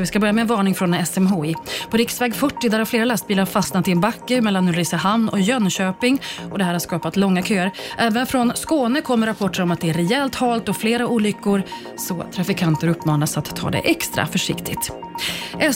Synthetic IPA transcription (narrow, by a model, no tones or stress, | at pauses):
vɪskabœɾjamɛːnvɑːɳɪŋfɾɔnɛsɛmɦoːɪpʰɔɾɪksvɛːɡfœʈːɪd̪æɾhaɾfleːɾalast̪̚biːlaɾfasnat̪ːɪɛnbakːəmɛlːanɵɾɪsaɦamnɔ̰jœnɕøːpɪŋɔd̪ɛhæːɾhaɾskɑːpat̪lɔŋːakʰøːəɾʔɛːvənfɾɔnskoːnəkʰɔmːəɾapʰɔʈːəɾɔmat̪̚d̪ɛæɾɛɛlt̪hɑːlt̪ɔfleːɾauːlʏkːʊɾ | sɔt̪ʰɾafɪkʰant̪əɾɵpːmɑːnasat̪ʰːɑ̰ːd̪ɛ̰ʔɛkst̪ɾa̰fœʂɪ̰kt̪ʰɪɡt̪ | ʔɛ